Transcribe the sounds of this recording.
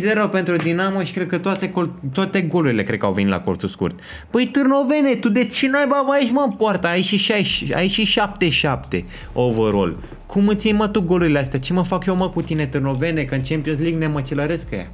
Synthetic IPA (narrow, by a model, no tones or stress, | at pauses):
zeɾo̞pe̞nt̪ɾud̪inamoʃi̥kɾe̞d̪̚kət̪oat̪e̞kot̪oat̪e̞ɡo̞luɾile̞kɾekəa̰wve̞nit̪la̰kort̪sulskṵrt̪ | pəjt̪ɨrno̞ve̞net̪ud̪et͡ʃenajbabəait͡ʃʲməɨmpoart̪əait͡ʃiʃajʃa̰it͡ʃiʃap̚t̪e̞ʃap̚t̪e̞ | ovəɾo̰l | kumɨt̪sʲjemət̪uɡo̞luɾileast̪eat͡ʃeməfakjoməkut̪ine̞t̪ɨrno̞ve̞nekɨnt͡ʃempionsliɡnemət͡ʃeləɾe̞skja̰